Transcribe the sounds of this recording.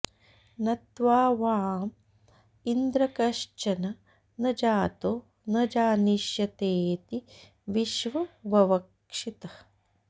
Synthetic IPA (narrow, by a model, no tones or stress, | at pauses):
nɐt̪ʋaːʋaːm | ind̪ɾɐkɐʃt͡ʃɐnɐ | nɐd͡ʒaːt̪oː | nɐd͡ʒaːniʃjɐt̪eːt̪i | ʋiʃʋɐʋɐʋɐk | ʂit̪ɐ